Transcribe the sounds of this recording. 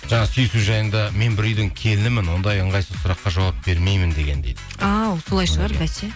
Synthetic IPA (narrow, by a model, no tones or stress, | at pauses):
ʒɑɴɑsʏjɪsuʒɑjənd̪ɑme̞nbɪɾʏjd̪ɪŋkʲʰe̞lɪnɪmɪnwo̞nd̪ɑjəɴʁɑjsəsʊɾɑqːɑʒɑwɑp̚b̥e̞ɾme̞jmɪnd̪e̞ɡʲe̞nd̪ejd̪ɪɑwso̞lˠɑjʃəʁɑɾbæʃe